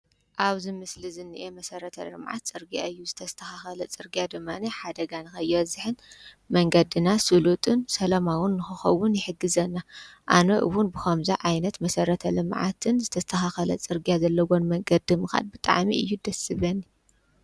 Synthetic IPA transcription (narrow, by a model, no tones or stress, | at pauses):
ʔaβzɨmɨslizɨnːɨʔemɐsɐɾɐt̪ʰɐ̰lɨ̰mʕa̰t̪̚t͡sʼɨɾɡija̰ɨjːuzɨt̪ʰɐst̪ʰɐxaxɐlɐt͡sʼɨɾɡijad̪ɨmːaniħad̪ɐɡanɨxɐjːɛwɐzɨħɨn | mɐŋɡɐd̪ɨnasɨlut̪ʼɨnsɐlɐmawʊnːɨxɨxɐwʊnjɪħɨɡːɨzɐnːaʔanoʔɨ̰wunbɨxɐmzaʕajnɐt̪mɐsɐɾɐt̪ʰɐlɨmʕa̰t̪ʰɨnzɨt̪ʰɐst̪ʰɐxaxɐlɐ̰t͡sʼɨɾɡijazɐlːɐwonmɐŋɡɐd̪ɨmɨxa̰d̪̚bɨt̪ʼa̰ʕmiʔɨ̰jːud̪ɐsɨβɐnːi